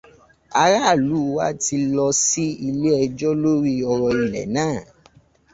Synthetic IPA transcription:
a˧ɾa˦˨lu˨˦wa̰˦ti˧lɔ˧si˦i˧le˦ɛ˧d͡ʒɔ˦lo˦ɾi˦ɔ˧ɾɔ˧i˨lɛ̰˨nãː˦˨

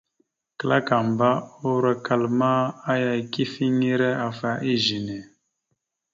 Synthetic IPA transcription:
kə˦la˦ka˨m˨ba˦o˦ɾə˦ka˨lma˦a˦ja˧˨ki˦fi˦ŋi˦ɾɛ˦a˨fa˦ʔi˦˨ʒi˨nɛ˨

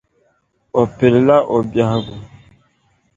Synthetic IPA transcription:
o˨pe˨ɾla˦ʔo˨bja˨˦ɡu˨

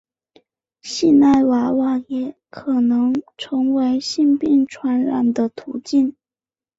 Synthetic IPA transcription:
ɕi˥˧na˥˩ɪwa˧˥wa˥˨˩jɛ˧˥ | kʰɤ˨˩nɤ˧˥ŋʈ͡ʂʰɤ˧˥ŋwe˧˥ɪɕi˥˧npi˥˩ŋʈ͡ʂʰwa˧˥nɻa̰˨˩nd̪ə˦˧t̪ʰṵ˧˥t͡ɕi˥˩n

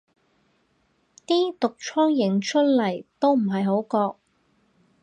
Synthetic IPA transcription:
t̪iː˥t̪ʊ˨k̚t͡ʃʰɔː˥ŋjɪ˨˩ŋt͡ʃʰɵ˥t̚lɐ˨˩jt̪o˥wm̩˨˩ɦɐ˨jɦo˨˥wkɔː˧k̚

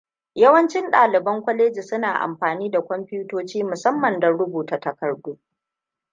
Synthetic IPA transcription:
jɐ˦wɐ˦nt͡ʃɪ˦nɗaː˨lɪ˨bɐ˦ŋkʷɔ˦leː˦d͡ʒi˨sʊ˦naː˨ʔa̰˨mɸaː˨niː˦da˨kʷɔ˦mɸuː˦toː˦t͡ʃiː˦mʊ˨sɐ˦mːɐ˨ndɐ˨ɽʊ˦buː˨ta˨tɐ˨kɐ˨rduː˦

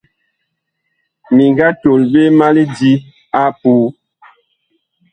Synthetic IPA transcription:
mi˨ŋɡa˦to˨lbe˦ma˦li˦di˦ | a˦puː˦

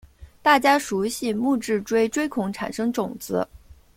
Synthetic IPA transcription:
t̪a˥˩t͡ɕja˥ʂu˧˥ɕi˥˧mu˥˧ʈ͡ʂɻ̩˥˩ʈ͡ʂwe˥ɪʈ͡ʂwe˥ɪkʰʊ˧˥ŋʈ͡ʂʰa̰˨˩nʂɤ˥ŋʈ͡ʂʊ˨˩ŋt͡sɹ̩˧˥

